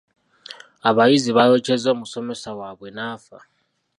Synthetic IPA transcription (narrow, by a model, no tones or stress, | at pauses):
aβajiziβajot͡ʃʰezomusomɛsawaβwenaːfa